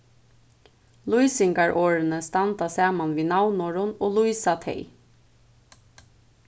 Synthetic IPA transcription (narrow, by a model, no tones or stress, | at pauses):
lujsɪŋɡaɹʔoːɹənəst̪ɑnt̪asɑːmanʋiːnaʊnɔɹʊnoːlujsat̪ʰɛ̰ɪ